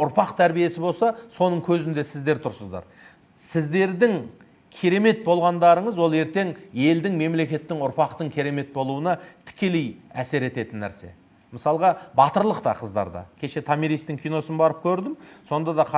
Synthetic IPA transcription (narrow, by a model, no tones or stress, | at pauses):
ʊɾpɑqt̪ʰæɾbije̞sɪbo̞lˠsɑso̞nəɴkʲʰɵzɪnd̪e̞sɪzd̪e̞ɾt̪ʰʊɾsəzd̪ɑ̰ɾ | sɪzd̪e̞ɾd̪ɪŋ | kʲʰijɾe̞me̞t̪̚bo̞lˠʁɑnd̪ɑɾəɴəzwo̞lˠe̞ɾt̪e̞ŋje̞ld̪ɪŋme̞mle̞kʲe̞t̪ːɪŋʊɾpɑqt̪əŋkʲʰiɾe̞me̞t̪̚bo̞lˠuənɑt̪ʰɪ̥kʲe̞le̞jæ̰se̞ɾe̞t̪e̞t̪ɪnːæ̰ɾse̞̰ | məsɑlˠʁɑbɑt̪əɾlˠəqt̪ɑ̰qʰəzd̪ɑ̰ɾd̪ɑ̰kʲʰe̞ʃe̞t̪ʰamiɾijst̪ɪŋkʲʰijno̞sənbɑɾəp̚kʲʰɵɾd̪ɪmso̞nd̪ɑd̪ɑqʰɑ